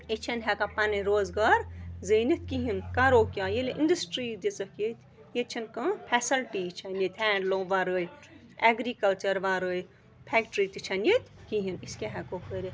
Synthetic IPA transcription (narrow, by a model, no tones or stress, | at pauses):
it͡ʃʰɐnɦɛkapɐniɾoːzɡaːɾzəːnit̪̚ʲkiɦinkaɾoːkʲjaːjeleʔinɖɐsʈɾiːd̪it͡sɐket̪ʲ | jet͡ʃʰɐnkɐ̃pʰɛsɐlʈiːt͡ʃʰɐnjet̪ʲhɛːɳɖlõːʋaɾəj | ɛɡɾikɐlt͡ʃɐɾʋaɾəj | pʰɛːkʈɾit̪it͡ʃʰɐnjet̪ʲkiɦiniskʲaɦɛkokʰəɾʲi